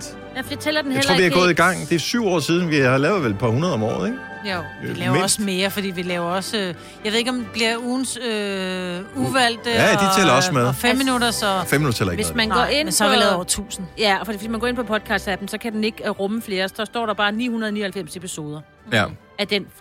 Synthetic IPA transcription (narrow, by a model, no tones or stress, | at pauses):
jæfjat͡sʰeːlɐd̥enheʁlɐo̰ʋiɡɔ̽ːðˠiɡ̥ɑ̈ŋ̰d̥e̝syʊ̰ɒ̰ːsiːð̞ˠn̩ʋiɑlɛʊðˠʋel̚pʰɑ̈hunɐðˠɒ̽mɒ̰ːð̩ˠeɡ̥ | o̥ | lɛːʊɔsme̝ːɐfɒd̥ḭːʋilɛːʊɐɒ̽sø | jɑʋeðˠeɡɒ̽mb̥liɐuːnsø | uʋæl̰d̥əædit͡sʰɛːlɐɒsmeðˠfemm̰minuɾɐsɒfemiudɐt͡sʰɛ̰lɐeʋe̝smænɡ̥ɒʔe̝n̰sʋil̰ːˠt͡sʰṵːsn̩jæɒfd̥ḭːfʋesmænɡ̥ɔ̰ːe̝npʰɒ̽pʰɒ̽d̥̚kʰɑ̈sd̥æb̥n̩sɒ̽kʰæd̥ene̝ɡ̥ʁɔ̽məfle̝ːɐsɒ̽sd̥ɒ̰ːɾ̥ɑ̈b̥ɑ̈ːnḭːhunɐð̩ˠnḭːɐhælfem̰se̝pʰiso̝ːð̞ˠɐ | æd̥en